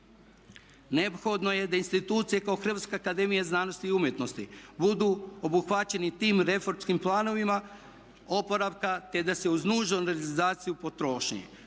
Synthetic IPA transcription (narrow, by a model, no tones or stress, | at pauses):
neopxo̞d̪no̞je̞d̪ainst̪it̪uːt̪sije̞kaoxr̩ʋat̪skeakad̪e̞mijaznaːno̞st̪iːumje̞t̪no̞st̪ibud̪uo̞buxʋat͡ɕe̞nit̪iːmɾe̞fo̞ɾmskimplˠaːno̞ʋima | o̞po̞ɾaʋkat̪e̞d̪ase̞uznuːʒonɾealizaːt̪sijupo̞t̪ɾo̞ːʃɲḛ